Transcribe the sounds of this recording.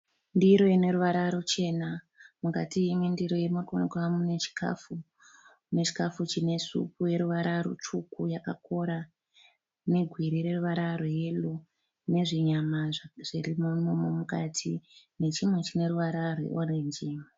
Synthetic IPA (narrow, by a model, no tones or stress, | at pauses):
ndiɾo̞ine̞ɾuʋaɾaɾo̞t͡ʃe̞na | mukatiːmwendiɾo̞jemurkonkamunet͡ʃi̥kʰa̰fu | net͡ʃi̥kafut͡ʃine̞sṵkuje̞ɾuʋaɾaɾo̰t͡ʃukujakako̞ɾa | ne̞ɡʱwiɾiɾe̞ruʋaɾaroje̞lo | ne̞ʐiɲamaʐ̥irimonomomukatʰi | ne̞t͡ʃimwe̞t͡ʃine̞ɾuʋaɾarwḛʔoɾeɲd͡ʒi